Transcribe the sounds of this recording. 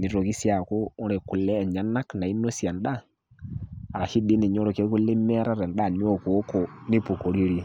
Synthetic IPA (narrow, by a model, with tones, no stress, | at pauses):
ni˨ɾo˨ɣi˦sja˨ko˦o˦ɾe˨ku˨lɛː˦˨ɲa˦na˦kna˨i˦no˦sja˨nda˦ | a˨ɾa˨ʃi˦di˦ne˨ɲo˦ɾo˨ke˦ku˦le˦mː˦ɾa˦ɾɛ˨nda˦˨ni˦o˦ko˨˦ko˨ni˦po˨ko˨ɾi˦ɾi˦